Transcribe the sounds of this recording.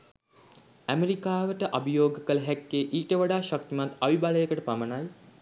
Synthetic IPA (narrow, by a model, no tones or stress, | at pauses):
æmeɾikaːʋəʈəʔabəjoːɡəkələɦækːeːʔiːʈəʋaɖaːʃak̚t̪imat̪aʋibaləjəkəʈəpamənaj